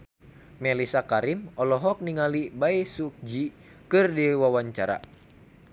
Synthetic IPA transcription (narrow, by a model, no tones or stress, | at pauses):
mɛlisakaɾimɔlɔɦɔk̚niŋalibaisuk̚d͡ʒi | kɨrdiwawaɲt͡ʃaɾa̰